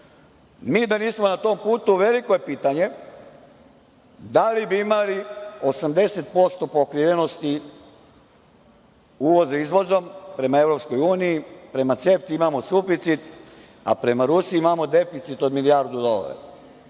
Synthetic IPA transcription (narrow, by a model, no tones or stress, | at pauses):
miːd̪aniːsmonat̪o̞mpuːt̪uʋe̞likojepiːt̪aɲe̞ | d̪alibiimalio̞samd̪e̞set̪̚po̞st̪o̞pokɾiʋe̞no̞st̪i | uːʋo̞zaizʋo̞zo̞mpɾe̞mae̞ʋɾo̞psko̞juːnijipɾe̞mat̪se̞ft̪iimamo̞sufit̪sit̪ | a̰pɾe̞maɾusiimamo̞d̪e̞fit̪sit̪o̞d̪milijaɾd̪ud̪o̞la̰ɾa̰